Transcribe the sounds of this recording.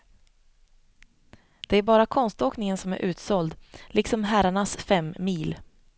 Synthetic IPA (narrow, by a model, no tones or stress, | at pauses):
d̪̥ɛæɾbɑːɾakʰɔnst̪oːknɪŋənsɔmæ̰ɾʔʉ̟ːt̪sɔld̪lɪksɔmɦæɾaɳasfɛmːiːl